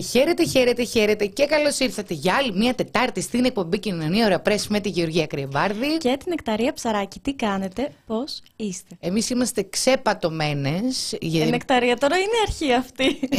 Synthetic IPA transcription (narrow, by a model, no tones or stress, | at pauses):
çeɾe̞t̪eçeɾe̞t̪eçeɾe̞t̪e̞ce̞kɐlo̞siɾθɐt̪e̞ʝɐɐlimiɐt̪e̞t̪ɐɾt̪ist̪inek̚po̞mbicinnonioɾɐpɾe̞smet̪iʝeo̞ɾʝiɐkɾievɐɾðicet̪ine̞kt̪ɐɾiɐpsɐɾɐcit̪ikɐne̞t̪e̞po̞s | ist̪e̞emisimɐst̪e̞ksepɐt̪o̞me̞ne̞sʝɐinekt̪ɐɾiɐt̪o̞ɾɐineɐɾçiɐft̪i